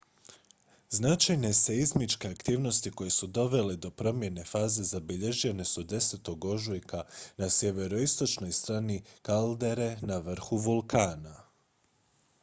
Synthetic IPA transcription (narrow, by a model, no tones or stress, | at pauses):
znat͡ʃajne̞se̞izmit͡ʃke̞akt̪iːʋno̞st̪iko̞je̞sud̪o̞ʋe̞le̞d̪o̞pɾo̞mje̞ne̞faːze̞zabiʎe̞ʒe̞ne̞sud̪e̞set̪o̞ɡo̞ʒujkanasje̞ʋe̞ɾo̞ist̪o̞t͡ʃno̞jst̪ɾaːnikald̪e̞ɾe̞naʋr̩xuʋulˠkaːna